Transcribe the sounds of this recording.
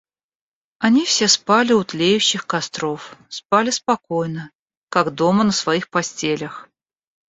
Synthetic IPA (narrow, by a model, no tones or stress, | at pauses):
ɐnʲifsʲespalʲɪʊt̪lʲejʉɕːɪxkɐst̪ɾo̞fspalʲɪspɐkojnə | kaɡd̪o̞mənəsvɐixpɐsʲtʲelʲəx